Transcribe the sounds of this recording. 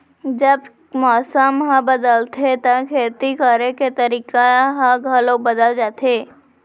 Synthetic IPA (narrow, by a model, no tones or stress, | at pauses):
d͡ʒəb | mɔːsəmɦãbəd̪əlt̪ʰet̪əkʰeːt̪ikəɾeket̪əɾiːkaɦãɡʱɐlobəd̪əld͡ʒaːt̪ʰeː